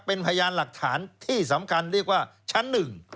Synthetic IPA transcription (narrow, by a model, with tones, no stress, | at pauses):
pe˧npʰa˧ja˧jaː˧nla˨˩k̚t̪ʰaː˩˦nt̪ʰiː˥˩sa˩˦mkʰa˧nɾi˥˩ək̚waː˥˩t͡ɕʰa˦˥nːɯ˨˩ŋ